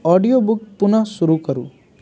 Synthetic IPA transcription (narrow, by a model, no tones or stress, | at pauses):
ɔɖijobuk̚punasuɾukəɾṵ